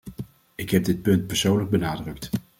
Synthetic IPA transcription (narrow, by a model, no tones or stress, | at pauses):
ɪkɦɛb̚dɪt̚pɵnt̚pɛɹsownləɡ̚bənaːdrɵk̚t